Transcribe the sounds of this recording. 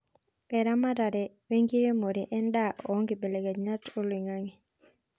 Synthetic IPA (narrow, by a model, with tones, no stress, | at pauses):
pɛ˨ɾa˦ma˦ɾa˨dɛ˨ | we˦ŋɡi˦ɾe˦mo˨ɾiʔɛ˦ndaʔɔ˦ŋɡi˨be˨lɛ˨ɡɛ˨ɲa˦to˦li˨ŋaŋi˨